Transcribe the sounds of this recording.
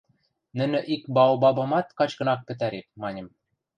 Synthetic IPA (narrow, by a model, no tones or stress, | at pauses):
nɘ̆nɘ̆ʔikbɑwbɑbɑmɑt̪̚kɑt͡ɕkɤ̆nɑk̚pɘ̆t̪æɾek̚mɑnʲɤ̆m